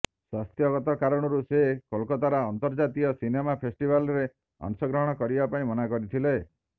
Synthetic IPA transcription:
swast̪jɔɡɔt̪ɔkaɾɔɽ̃ɔɾusekɔlkɔt̪aɾaːnt̪ɔɾd͡ʒat̪iɔsinemapʰesʈibalɔɾe | ɔ̰ŋsɔɡɾɔɦɔɽ̃ɔkɔɾibapaĩmɔnakɔɾit̪ʰile

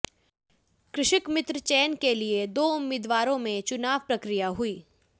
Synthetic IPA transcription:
kɾɪʃɪkmɪt̪ɾət͡ʃɛːnkelied̪oːʊmːɪːd̪ʋaːɾõmẽt͡ʃʊnaːʋpɾɐkɾijaɦʊiː

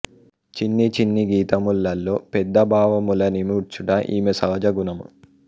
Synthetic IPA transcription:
t͡ʃinːit͡ʃinːiɡiːt̪ɐmulːɐlːo̞ːpɛd̪ːɐbʱaːʋɐmulɐnimuɾt͡ʃuɽɐʔiːmesɐːɐd͡ʒɐɡunɐmṵ

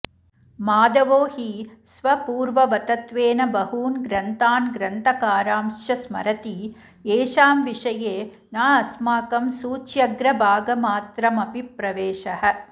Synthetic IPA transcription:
maːd̪ɐʋoːhisʋɐpuːɾʋɐʋɐt̪ɐt̪ʋeːnɐbɐɦuːnɡɾɐnt̪aːnɡɾɐnt̪ɐkaːɾaːmʃjɐsmɐ̰ɾɐt̪i | eːʃaːmʋiʂɐjeː | naːɐsmaːkɐmsuːt͡ʃjɐɡɾɐbʱaːɡɐmaːt̪ɾɐmɐpipɾɐʋeːʃɐɦɐ̆

